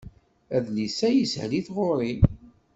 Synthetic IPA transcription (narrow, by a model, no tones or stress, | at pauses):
æðlisæjəshliθʁoɾˤim